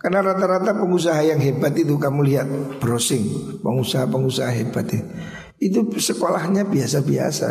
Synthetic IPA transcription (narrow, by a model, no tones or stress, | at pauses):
kanaɾat̪aɾat̪apəŋus̬aɦajaŋɦebat̪it̪ukamuliɦat̪̚b̥ɾosɪŋpəŋusaɦapəŋusaɦaɦebat̪i | it̪̬usəkolahɲabiasabia̰sa̰